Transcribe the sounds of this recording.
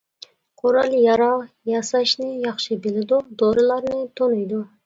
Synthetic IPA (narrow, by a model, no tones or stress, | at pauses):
qʰoɾɑlˠjɑɾɑw | jɑsɑʃnɪjɑχʃɨbɪlɪd̪ud̪oɾɨlˠɑɾnɪt̪ʰonujd̪ʊ